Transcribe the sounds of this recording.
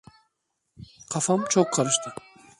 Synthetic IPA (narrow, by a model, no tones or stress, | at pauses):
qʰɑfɑmt͡ʃʰoqʰːɑɾɯʃt̪ʰɯ